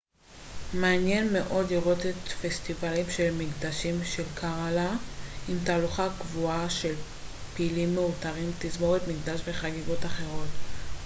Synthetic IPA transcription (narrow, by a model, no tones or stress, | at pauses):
meanjenme̞ʔo̞dliʁo̞tetfestivalimʃe̞lmiɡd̪aʃimʃelkʰaʁalaimtaːluχakvuaʃe̞l | piːlimːeutaʁimtizmoʁetmiɡd̪aʃveχaɡiɡotaχe̞ʁo̞t